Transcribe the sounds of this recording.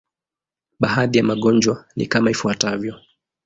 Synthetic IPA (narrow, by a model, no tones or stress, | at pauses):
ɓahaðijamaɠɔnd͡ʒwanḭkamaifuatavjɔ